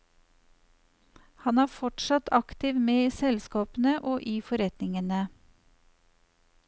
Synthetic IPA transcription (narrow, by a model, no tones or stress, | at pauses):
hɑnæːfɔʈʃɑt̪ʰɑkt̪ɪʋmeːiːsɛlskɑːpn̩əʔoːʔiːfɔɾɛt̪nɪŋənə